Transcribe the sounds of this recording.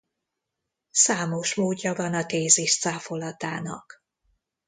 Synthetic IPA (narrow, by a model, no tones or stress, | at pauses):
saːmo̞ʃmoːɟːɒvɒnɒt̪eːziʃt̪saːfo̞lɒt̪aːnɒ̰k